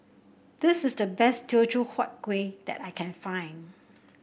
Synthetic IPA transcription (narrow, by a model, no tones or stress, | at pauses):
d̥ɪsɪsdəbɛstʰit͡ʃuhɔt̚ɡ̥wed̥̪ɛ̰taɪkʰɛ̃nfãɪ̃n